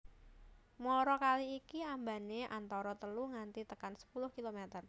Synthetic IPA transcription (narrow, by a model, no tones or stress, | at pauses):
mɔɾɔkaliːkiamba̤neʔa̰nt̪ɔɾɔt̪əluŋant̪it̪əkansə̥pulʊhkilomɛt̪ər